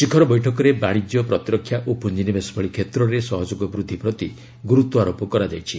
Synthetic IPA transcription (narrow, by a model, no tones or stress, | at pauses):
ʃikʰɔɾɔbɔjʈʰɔkɔɾebaɽ̃id͡ʒjɔpɾɔt̪ɾɔkʰːjaʔopund͡ʒinibesɔ̥pʰɔɭikʰet̪ɾɔɾesɔɦɔd͡ʒoɡɔbɾud̪ʱːipɾɔt̪i | ɡuɾut̪wɔaɾopɔkɔɾad͡ʒajt͡ʃʰi